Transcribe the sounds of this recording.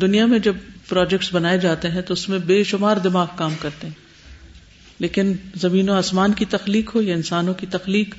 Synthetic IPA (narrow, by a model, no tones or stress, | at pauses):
d̪ʊnijamẽd͡ʒɐbpɾaːd͡ʒɛk̚ʈsbɐnaːed͡ʒaːt̪eɦɛ̃t̪oʊsmẽbeːʃʊmaːɾd̪ɪmaːɣkaːmkɐɾt̪eɦɛ̃ː | leːkɪnzɐmĩːnoaːsmaːnkit̪ɐxliːkɦojaɪnsaːnõkit̪ɐxliːk